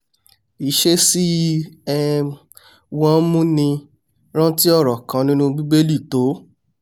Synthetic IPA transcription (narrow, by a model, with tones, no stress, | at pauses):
i˨ʃe˦si˦ɛ˦ | wɔ̃˦mũ˦nĩ˧ | ɾ̃ã˦ti˦ɔ˦˨ɾɔ˨kã˨˦nĩ˦nũ˦ɡ͡bi˦ɡ͡be˦li˦˨to˨˦